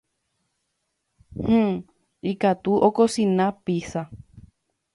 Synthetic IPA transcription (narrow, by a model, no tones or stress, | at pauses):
hũ | ikat̪uʔokosĩnãpisa